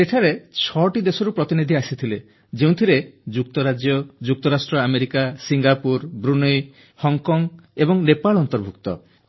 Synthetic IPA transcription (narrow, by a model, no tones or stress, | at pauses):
eʈʰaɾet͡ʃʰɔʈid̪esɔɾupɾɔt̪inid̪ʱiasit̪ʰile | d͡ʒeũt̪ʰiɾed͡ʒuk̚t̪ɔɾad͡ʒjɔd͡ʒuk̚t̪ɔɾasʈɾɔameɾikasiŋɡapuɾbɾunɔj | hɔŋkɔŋebɔŋnepaɭɔnt̪ɔɾbʱukt̪ɔ̰